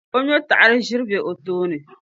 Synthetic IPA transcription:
o˦ɲɔ˦ta̰˨ʔa˨ɾɨ˦ʒɪ˦ɾbɛ˨ʔo˨toː˦nɨ˨

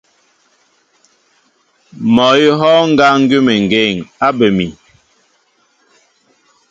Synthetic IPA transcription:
mɔ˨ji˦ɦɔ˦ŋ̩˦ɡa˦ŋ̩˦ɡʉ˦mɛ˨ŋ˨ɡe˦˨ŋa˦bə˨mi˨

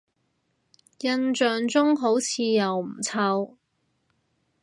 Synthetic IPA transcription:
jɐ˧nt͡ʃœː˨ŋt͡sʊ˥ŋɦo˨˥wt͡sʰiː˨˧jɐ˨wm̩˨˩t͡sʰɐ˧w

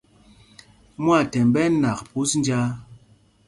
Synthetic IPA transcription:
mwa˦˨tɛ˨mbɛ˦na˨kpu˦sn˦d͡ʒa˦

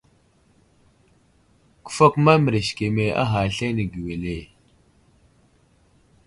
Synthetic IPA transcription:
ku̥˨fa˦kma˦mə˨ɾe˨ʃke˨me˨a̰˦ɦa˨ɬe˦ne˨ɡi˨we˨le˨

